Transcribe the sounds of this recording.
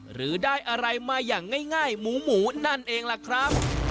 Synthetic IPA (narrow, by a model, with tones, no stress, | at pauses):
ɾɯː˩˦daː˥˩jʔa˧ɾa˧jmaː˧jːaː˨˩ŋːaː˥˩jŋaː˥˩jmuː˩˦muː˩˦na˥˩nʔeː˧ŋla˨˩kʰɾa˦˥p̚